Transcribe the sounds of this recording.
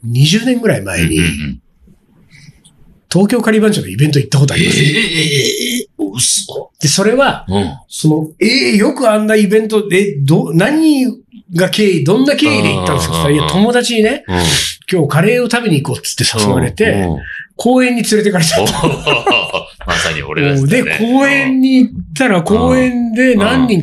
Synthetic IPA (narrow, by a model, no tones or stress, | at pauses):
ɲ̟iʑɨːnẽŋɡɯ̟ɾaimae̞̰ɲ̟ḭ | t̪o̞ːkʲoːkaɾʲibãɲd͡ʑanːoibẽ̞nt̪̬oit̪ːak̬ot̪̬oai | d̪̥e̞so̞ɾe̞βasono̞ejo̞kɯ̟ãnːaibẽ̞nt̪̬o̞ed̪onaɲ̟iɡake̞ːid̪õ̞nːake̞ːid̪e̞̰ḭt̪ːãnd̪sɨjot̪aɾiat̪ʰo̞mo̞d̪at͡ɕiɲ̟ine̞kʲo̞ːkaɾe̞ːo̞t̪abe̞ɲ̟iːko̞ːt͡sɨ̥t̪ːesasoβaɾe̞t̪e̞kʰo̞ːẽ̞ɲ̟ːit͡sɨɾe̞t̪e̞kaɾet̪ao | aod̪e̞kʰo̞ːẽ̞ɲ̟ːiːt̪ːaɾako̞ːẽ̞nd̪e̞nãɲ̟ːĩŋ